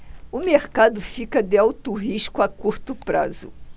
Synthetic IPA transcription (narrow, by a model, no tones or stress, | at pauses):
ʊmeɾkad̪ʊfikɐd̪ɪawt̪ʊɦiʃkʊakuɾt̪ʊpɾa̰zʊ̰